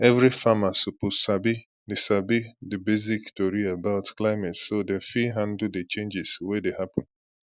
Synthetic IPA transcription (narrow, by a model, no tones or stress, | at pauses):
ɛvɹifamasuposabi | desabidəbeziktoɹiabaʊtklaɪmɛtsodefiɦãndl̩det͡ʃẽnd͡ʒɪswedehapɔ̃n